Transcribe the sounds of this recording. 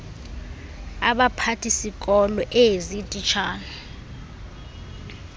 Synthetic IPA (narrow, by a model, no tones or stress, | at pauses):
aɓapʰatʰisikʼɔlɔʔezitʼit͡ʃʰaːna